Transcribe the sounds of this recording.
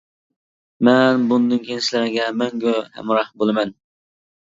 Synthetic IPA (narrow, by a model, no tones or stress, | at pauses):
mɛnbund̪ɨnŋkʲʰenɪslɪɾɪɡʲɛmɛŋɡʲøhɛ̰mɾɑhbolˠɨmɛn